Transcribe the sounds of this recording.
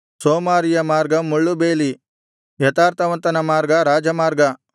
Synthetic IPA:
soːmaːɾijɐmaːɾɡɐmuɭːubeːli | jɐt̪aːɾt̪ʰɐʋɐnt̪ɐnɐmaːɾɡɐɾaːd͡ʒɐmaːɾɡɐ

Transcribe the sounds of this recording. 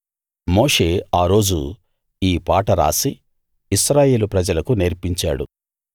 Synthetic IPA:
mo̞ːʂe̞ːaːɾo̞ːd͡ʒṵ | iːpaːʈɐɾa̰ːsi | isɾaːje̞ːlupɾɐd͡ʒɐlɐkuneːɾpiɲt͡ʃaːɽṵ

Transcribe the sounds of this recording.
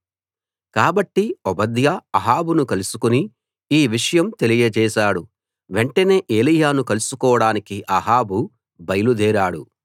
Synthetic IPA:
kaːbɐʈːiɔbɐd̪jɐɐɦaːbunukɐlusukuni | iːʋiʂɐjɐmt̪elijɐt͡ʃɛːʃaːɽu | ʋe̞ɳʈɐne̞ːʔeːlijaːnukɐlusukɔːɐɽaːnikiʔɐɦaːbu | bɐjɐlud̪ɛːɾaːɽu

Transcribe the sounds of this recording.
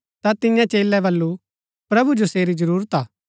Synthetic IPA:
t̪at̪ɪjãt͡ʃeːlːɛbɐlːu | pɾɐbud͡ʒoseːɾid͡ʒɐɾuːɾət̪aː

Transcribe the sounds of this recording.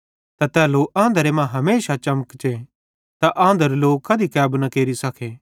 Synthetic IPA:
t̪at̪ɛːloʔãːnd̪əɾemãɦɐmeːʃat͡ʃɐməkt͡ʃe | t̪aʔãːnd̪əɾeloːkʰːɐd̪ikɛːbnakeːɾisɐkʰeː

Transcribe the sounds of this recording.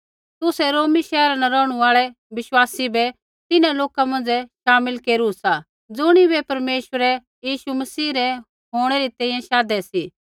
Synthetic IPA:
t̪ʊsɛɾoːmiʃɛːɾanɛɾɔːɽ̃uaːɭɛ | ʋɪʃwaːsibɛ | t̪ɪnãloːkamɐ̃nd͡zɛʃaːmɪlkeːɾusa | d͡zʊɽ̃iβɛpɐɾmeːʃwəɾɛ | jiːʃumɐsiːɾɛ | ɦoːɽ̃ɛɾit̪ɛ̃ːĩjɛ̃ʃaːd̪ɛsiː

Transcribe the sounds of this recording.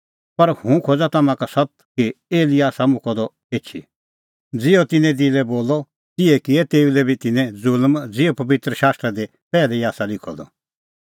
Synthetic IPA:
pɐɾhũkʰod͡zat̪ɐmãkasɐt̪̚kieːlɪaːsamʊ̃kʰɔd̪ɔ | eːt͡ʃʰḭ | d͡zɪɔt̪ɪnɛ̃d̪ilɛboːlɔ | t̪ɪɛkɪɛt̪eːulɛbʱit̪ɪnɛ̃d͡zʊlmd͡zɪɔpɐbɪt̪ɾəʃaːst̪ɾad̪e | pɛːlɛiaːsalɪkʰɔ̰d̪ɔ̰

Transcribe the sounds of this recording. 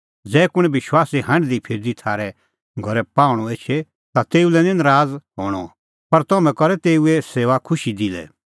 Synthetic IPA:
d͡zɛːkʊ̃ɛ̃bɪʃwaːsiɦɐ̃ɳɖd̪ipʰɪɾd̪it̪ʰaːɾɛ | ɡʱɔɾɛpãːʊɽ̃ɔeːt͡ʃʰɛ | t̪at̪eːulɛnɪ̃nɾaːd͡zɦoːɽ̃ɔ̰ | pɐɾt̪ɔmɛ̃kɔɾɛt̪eːueseːʋakʰʊʃid̪ilɛ̰

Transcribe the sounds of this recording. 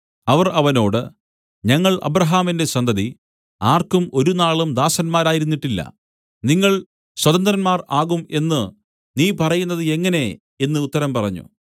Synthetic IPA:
ɐʋɐrɐʋɐno̞ːɽɨ̰ | ɲɐŋːɐɭʔɐ̰bɾɐɦaːminde̞sɐnd̪ɐði | aːrkumo̞ɾunaːɭumd̪aːsɐnmaːɾaːjiɾunːiʈːilːɐ̰ | niŋːɐɭ | swɐðɐnd̪ɾɐnmaːraːɣume̞nːɨ | niːpɐrɐjunːɐðɨe̞ŋːɐne̞ | e̞nːɨut̪ːɐɾɐmpɐrɐɲːṵ

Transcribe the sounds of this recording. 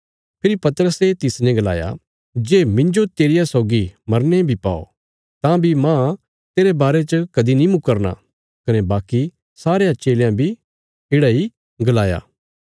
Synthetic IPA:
pʰɪɾipɐt̪əɾəset̪ɪsnɛ̃ɡɐla̰ːja̰ | d͡ʒeːmɪ̃ɲd͡ʒot̪eːɾɪjasɔːɡimɐɾnebʱipa̰ːo̰ | t̪ãbʱimã | t̪eːɾebaːɾet͡ʃəkɐd̪inĩmʊkəɾna̰ | kɐnɛbaːki | saːɾejãt͡ʃeːljãbʱi | ɪːɽai | ɡɐlaːja̰ː

